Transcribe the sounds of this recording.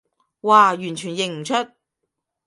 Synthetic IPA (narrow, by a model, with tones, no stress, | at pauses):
waː˨˩jyː˨˩nt͡ʃʰyː˨˩njɪ˨ŋm̩˨˩t͡ʃʰɵ˥t̚